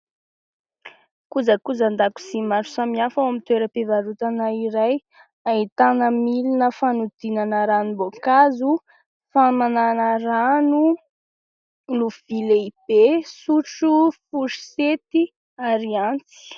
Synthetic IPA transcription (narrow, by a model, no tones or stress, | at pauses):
kuzəkuzand̪aku̥simaɾu̥samiafawamit̪weɾəpevaɾut̪anaiɾaj | ait̪anəmilinəfanud̪̥inanəɾanubokazu | famananəranu | luvileib̥esuʈ͡ʂufuɾi̥set̪i | aɾiant͡si̥